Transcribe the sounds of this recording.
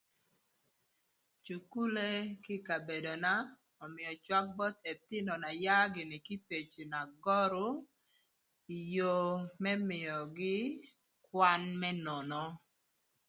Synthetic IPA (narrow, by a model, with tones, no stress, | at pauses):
t͡ʃu˨ku˦le˦kɪ˦ka˨be˨do˨na˦ | ɔ˨mɪ˨jɔ˨t͡ʃwa˦k̚bɔ˦t̪e˨t̪ɪ˦nɔ˨na˨ja˦ɡɪ˨nɪ˨ki˦pe˨t͡ʃe˨na˨ɡɔ˦ɾʊ˦ | i˨jo˦mɛ˦mɪ˨jɔ˨ɡɪ˦ | kwa˦nmɛ˦nɔ˨nɔ˦